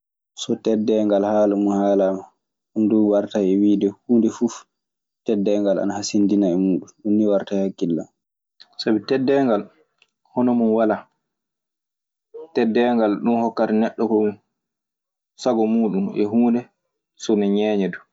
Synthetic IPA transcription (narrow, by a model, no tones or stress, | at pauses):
sɔtɛdːɛŋɡalhaːlumuhaːlaːma | ɗunduwaɾtaɛwiːdɛhuːndɛfuf | tɛdːɛŋɡala̰nahasindinaɛmuːɗunɗunːiwaɾtajhakːilːa̰m | sabitɛdːɛŋɡal | hɔnɔmunwala | tɛdːɛŋɡalɗunhɔkːatɛnɛɗːɔkɔmu | saɡɔmuːɗumɛ̰huːndɛ | sɔnɛɲɛːɲɛdu